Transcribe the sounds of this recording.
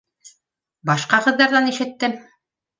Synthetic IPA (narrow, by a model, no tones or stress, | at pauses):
bɑʃqɑqɤ̆ðːɑɾðɑniʃɘ̆t̪ːɘm